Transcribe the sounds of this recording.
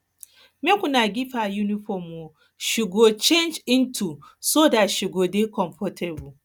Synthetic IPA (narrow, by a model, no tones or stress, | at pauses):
mekʷunaɡʲɪɸajuniɸɔmo | ʃɪɡot͡ʃend͡ʒɪntʰusoːdaʃɪɡoːdekɔmfɔtʰɛbu